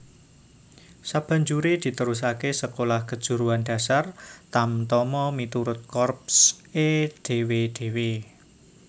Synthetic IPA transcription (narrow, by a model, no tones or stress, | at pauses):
sab̥a̤ɲd͡ʒuɾed̪̥i̤t̪əɾus̬akesəkolahkəd̥ʒ̥ṳɾuanɖ̥a̤sart̪amt̪ɔmɔmit̪uɾʊt̪̚kɔrp̚sed̪̥e̤wed̪̥e̤we